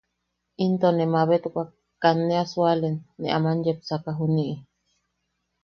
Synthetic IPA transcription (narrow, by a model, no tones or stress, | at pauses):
int̪onemaβet̪ukʷa | kanːeasualenːeʔamanjepsakaɦuniʔi